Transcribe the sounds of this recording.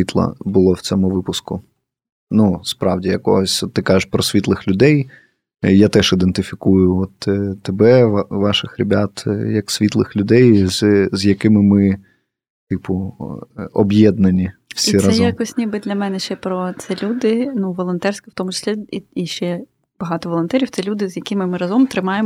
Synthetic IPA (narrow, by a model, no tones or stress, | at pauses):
it̪lˠɐ̰bʊlˠɔwt͡sʲɔmʊʋɪpʊskʊ | nuspɾɑwdʲijɐkɔ̰ɦɔsʲɔt̪ːɪkɑʒeʃpɾɔsʲʋʲit̪lˠɪxlʲʊd̪ɛj | jat̪ɛʃid̪ent̪ɪfʲikujʊɔt̪t̪ːebɛʋʋɑʃɪxɾʲebʲat̪jɐksʲʋʲit̪lˠɪ̰xlʲʊd̪ɛjzzʲjɐkɪmɪmɪ | t̪ɪpʊ | ɔbjɛd̪nɐnʲiwsʲiiɾɑɛjjakɔsʲnʲibɨɪd̪lʲɐmɛnɛʃt͡ʃɛpɾɔt̪sɛlʲud̪ɪnuʋɔlˠɔnt̪ɛrsʲkɐwt̪ɔmʊt͡ʃɪ̥sʲlʲiiiʃt͡ʃɛ | b̥ɐɦɑt̪ɔʋɔlˠɔnt̪ɛɾʲiwt̪sɛlʲud̪ɪzʲjɐkɪmɪmɪɾɐzɔmt̪ɾɪmɑjemɔ